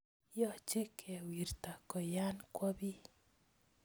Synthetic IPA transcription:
jɔ˨t͡ʃe˦kʰɛ˨wi˨rta˨kɔ˨ja˦nkwɔ˦bi˦

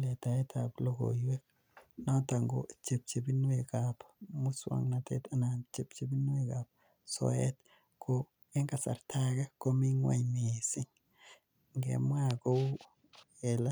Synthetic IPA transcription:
le˨ta˨e˦tʰaplo˦ɡo̰˨je˦k̚ | na˦ta˨ŋɡo̰t͡ʃe˨p̚t͡ʃe˨bi˦nwekapmu˦swa̰ŋnatḛta˨nant͡ʃe˨p̚t͡ʃe˦bi˦nwekap̚ | sɔ̰et | kʰo | e˦ŋɡa˨sa̰˨ɾtʰaɡa˦ko˦mi˦ŋwa̰˦ɲmisɪ˦ŋ | ŋɡḛ˨mwaɡo˦u | ɛla˦

